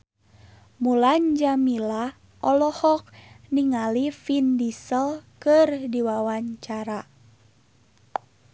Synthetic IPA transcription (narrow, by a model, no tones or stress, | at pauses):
muland͡ʒamila | ʔɔlɔhɔk̚niŋalifindisəlkɨrdiwawaɲt͡ʃaɾa